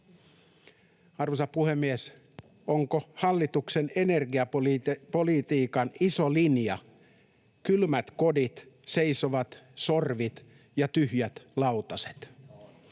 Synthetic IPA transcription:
ɑrʋosɑpuhemːies | oŋkohɑlːit̪uksenenerɡiɑppolit̪iːkɑnisolinjɑ | kylmæt̪ko̞dit̪seisoʋɑt̪so̞rʋit̪ | jɑt̪yhjæt̪lɑwt̪ɑse̥t̪

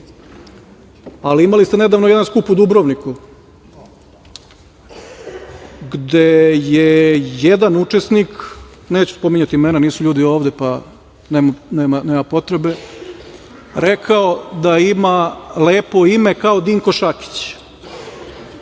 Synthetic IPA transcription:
aliimalist̪ened̪aːʋnojed̪anskupud̪ubɾo̞ʋniku | ɡd̪ejejed̪anut͡ʂesnikneːt͡ɕu̥spo̞miɲat̪iimeːnaniːsuʎuːd̪io̞ːʋd̪e̞pa | neːmaneːmaneːmapo̞t̪ɾebe̞ | ɾe̞kʰao̞d̪aimaleːpo̞ime̞kaod̪iŋko̞ʃaki̥t͡ɕ

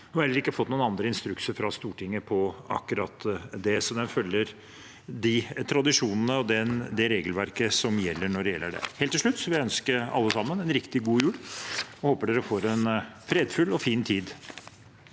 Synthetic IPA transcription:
hʉɑɾɛlːəɾɪkːəfɔt̪ːnuːənɑnd̪ɾəɪnst̪ɾʉksəfɾɑst̪uːʈʰɪŋːəpʰɔɑ̰kːʉɾɑt̪d̪ɛsɔmd̪ɛnfœlːəɾ | d̪ɪt̪ʰɾɑd̪ɪʂuːnənəɔd̪ɛd̪ɛɾeːɡəlʋæɾkəsɔmjɛlːəɳɔɖɛjɛ̰lːəɖɛ̰heːlt̪ːɪʂɭʉt̪ːsɔʋɪœnskəɾɑ̰lːəsɑmːənɛnɾɪkt̪ɪɡuːjʉːɽɔhoːpəɖeːɾəfoːɾɛnfɾeːd̪fʉlɔfiːnt̪ʰiːd̪

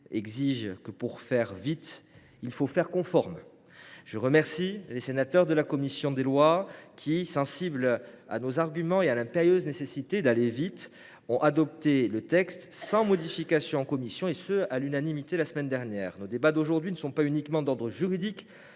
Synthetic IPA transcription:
ɛɡziʒkəpuʁfɛʁvit̪ | ilfofɛʁkɔ̃fɔʁm | ʒ̥əʁəmɛʁsilesenat̪œʁd̪əlakɔmisjɔ̃d̪elwakʲʰisɑ̃sibla̰nozaʁɡʲymɑ̃ealɛ̃peʁjøznesesit̪ed̪alevit̪ | ɔ̃ʔad̪ɔp̚t̪elət̪ɛkst̪sɑ̃mɔd̪ifikasjɔ̃ɑ̃kɔmisjɔ̃esøalynanimit̪elasəmɛnd̪ɛʁnjɛːʁnod̪ebad̪oʒuʁd̪ɥinəsɔ̃paynikmɑ̃d̪ɔʁd̪ʁəʒyʁid̪ik

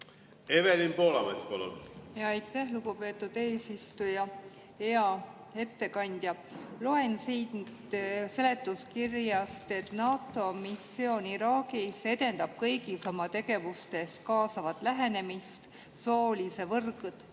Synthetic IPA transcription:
e̞velimpo̞ːlɑmespɑlṵnjɑɑjt̪ːˑæhluɡ̥upe̞ːt̪ːˑud̪̥e̞ːsist̪ujɑ | eɑ | e̞t̪ːe̞kɑnʲd̪̥jɑlo̞e̞nsiːnt̪se̞le̞t̪ːˑuskirjɑst̪e̞t̪ˑnɑːt̪ːˑo̞misːo̞ːniɾɑːɡise̞d̪e̞nd̪ɑb̥̚kɤjɡiso̞mɑt̪e̞ɡe̞vust̪e̞skɑːsɑvɑt̪ˑlæɦe̞ne̞mist̪ | so̞ːlise̞vɤrɡut̪

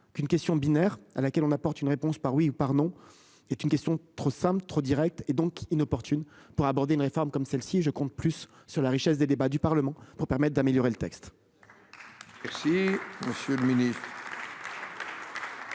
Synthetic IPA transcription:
kynkʲɛst̪jɔ̃binɛʁa̰lakʲɛlɔ̃napɔʁt̪ynʁepɔ̃spaʁwiupaʁnɔ̃ | ɛt̪ynkʲɛst̪jɔ̃t̪χosɛ̃plt̪χod̪iʁɛk̚t̪ed̪ɔ̃kinɔpɔʁt̪ynpuʁabɔʁd̪eynʁefɔʁmkɔmsɛlsiʒəkɔ̃t̪̚plysː | yʁlaʁiʃɛsd̪ed̪ebad̪ypaʁləmɑ̃puʁpɛʁmɛt̪̚ːd̪ameljɔʁelət̪ɛkst̪ | mɛsiməsjøləminist̪χ

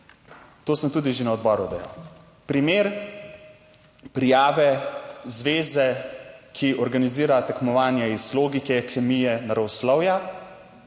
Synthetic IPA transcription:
t̪oːsəmt̪uːd̪iʒenaɔd̪̚bɔɾud̪ɛja̰w | pɾimeːɾ | pɾijaːʋɛzʋeːzɛkʰiʔɔɾɡaniziːɾat̪ɛkmɔʋaːnjɛizloːɡikɛkɛmijɛnaɾɔwslɔwja

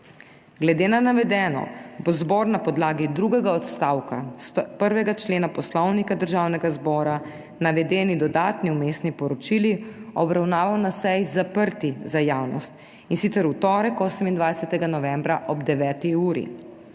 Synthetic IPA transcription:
ɡlɛd̪eːnanaʋɛd̪ɛːnɔ̰bozbɔɾnapɔd̪laːɡid̪ɾuɡɛɡaɔt̪st̪aːwka̰spəɾʋɛɡat͡ʃleːnapɔslɔwnikad̪əɾʒaːwnɛɡazbɔːɾa | naʋɛd̪ɛːnid̪ɔd̪aːt̪niumeːst̪nipɔɾɔt͡ʃiliɔbɾawnaːʋawnasɛjzapəɾt̪izajaːwnɔ̰st̪ | insit̪sɛɾut̪ɔːɾɛkoːsəmind̪ʋajsɛt̪ɛɡanɔʋɛ̃mbɾaʔɔbd̪ɛʋɛːt̪iuːɾḭ

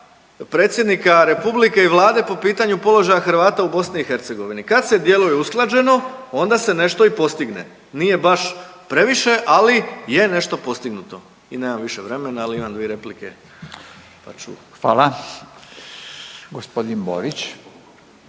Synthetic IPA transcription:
pɾe̞ːt̪sjed̪nikaɾe̞publike̞iʋlˠaːd̪e̞po̞piːt̪aɲupo̞lˠo̞ʒajaxɾʋaːt̪aubo̞sniixe̞ɾt̪se̞ɡo̞ʋinikad̪se̞d̪je̞lujeusklˠad͡ʒe̞no̞o̞nd̪ase̞ne̞ʃt̪oipo̞st̪iɡne̞̰ | nije̞baʃpɾe̞ʋiʃe̞ʔalije̞ne̞ʃt̪o̞po̞st̪iɡnut̪o̞ | ineːmamʋiʃeʋɾe̞me̞naːliimamd̪ʋieɾe̞plikḛ | pa̰t͡ʃṵxʋa̰ːla | ɡospod̪inbo̰ɾit͡ɕ

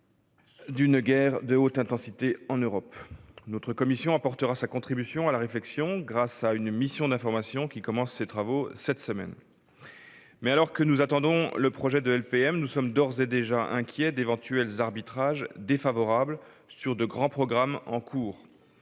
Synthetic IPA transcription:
d̪ynɡɛʁd̪əot̪ɛ̃t̪ɑ̃sit̪eɑ̃nøʁɔpnɔt̪χəkɔmisjɔ̃apɔʁt̪əʁasakɔ̃t̪χibysjɔ̃alaʁeflɛksjɔ̃ɡʁasaynmisjɔ̃d̪ɛ̃fɔʁmasjɔ̃kʲikɔmɑ̃sːet̪χavosɛt̪səmɛ̰n | mɛalɔʁkənuzat̪ɑ̃d̪ɔ̃ləpχɔʒɛd̪əɛlpeɛmnusɔmd̪ɔʁzed̪eʒaʔɛ̰̃kʲjɛd̪evɑ̃t̪yɛlzaʁbit̪χaʒd̪efavɔʁabl | syʁd̪əɡʁɑ̃pχɔɡʁamɑ̃kʰuːʁ

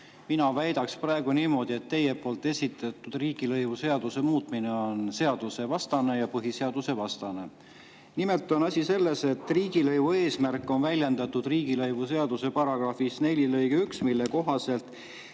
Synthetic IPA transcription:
minɑvæjd̪̥ɑksprɑe̞ɡ̥uniːmo̞d̪̥ie̞t̪ːe̞je̞pˑo̞ːlt̪ːˑe̞sʲit̪ːˑɑt̪ːˑud̪̥riːɡ̥ilɤjvuse̞ɑd̪̥use̞muːt̪ˑmine̞o̞nse̞ɑd̪̥use̞vɑst̪ɑne̞jɑpɤɦise̞ɑd̪̥use̞vɑst̪ɑne̞ | nimelt̪ːˑonɑsʲise̞lːe̞se̞t̪ːˑriːɡ̥ilɤjvue̞ːsmærkːˑo̞nvælʲje̞nd̪̥ɑt̪ːud̪̥riːɡ̥ilɤjvuse̞ɑd̪̥use̞pɑɾɑɡ̥rɑfisne̞lʲilɤjɡ̥eyksmilːe̞ko̞ɦɑse̞lt̪ˑ

